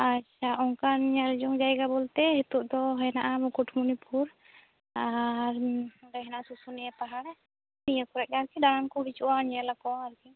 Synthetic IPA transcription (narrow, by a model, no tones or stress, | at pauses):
at͡ʃʰaʔɔŋkanɲald͡ʒɔŋd͡ʒajɡabɔlt̪ɛɦɛt̪uʔd̪ɔɦɔjnaʔamɔkuʈʰmunipuɾ | aɾɾɛɦɛnaʔsusunɛɛpaɦaɽɛ | nijakɔɾɛʔaɾkiɖaɾamkɔbit͡ʃuwaɲalakɔaaɾki